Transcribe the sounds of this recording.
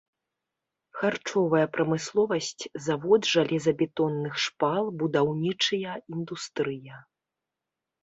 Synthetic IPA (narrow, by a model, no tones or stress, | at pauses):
xart͡ʂɔvɐjɐpɾɐmɨslˠɔvɐsʲt͡sʲzavɔd̪ʐalʲɛzɐbʲɛt̪ɔnːɨxʂpalˠbud̪awnʲit͡ʂɨjɐind̪ust̪ɾɨjɐ